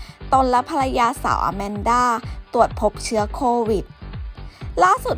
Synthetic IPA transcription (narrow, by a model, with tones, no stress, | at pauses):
t̪o˧nlɛ˦˥pʰa˧ɾa˧jaː˧sa̰ː˩˦wʔa̰˧mɛ˧ndaː˥˩t̪u˨˩ət̪̚pʰo˦˥p̚t͡ɕʰɯ˦˥ɐkʰoː˧wi˨˩t̪̚ | laː˥˩su˨˩t̪̚